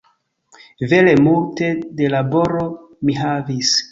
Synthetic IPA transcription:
ve̞le̞multe̞de̞labo̞ɾo̞ | miɦavis

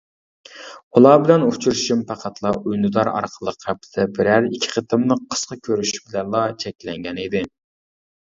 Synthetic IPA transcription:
ulˠɑbɪlɛnut͡ʃʰuɾʃimpʰæqʰæt̪ʰlˠɑʔujnud̪ɑɾɑ̰ɾqʰəlˠəqɛpʰːɪ̥d̪ɛbɪɾæɾikʲʰːi̥qʰət̪ʰɨmnɨqʰə̥sqɑkʲʰøɾyʃy̥bɪlɛnlˠɑt͡ʃʰɛkʲlɛŋɡʲɛnid̪ɪ

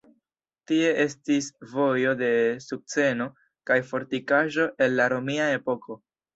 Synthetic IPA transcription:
tie̞ʔe̞stisvo̞jo̞de̞suk̚t͡se̞no̞ | kajfo̞ɾtikaʒo̞ʔe̞nlaɾo̞miae̞po̞kʰo̞

